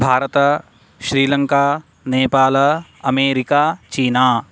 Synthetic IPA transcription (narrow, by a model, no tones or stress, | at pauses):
bʱaːɾət̪ə | ʃɾiːlɐ̃ŋkaː | neːpaːlɐmeːɾɪkaːt͡ʃiːnaː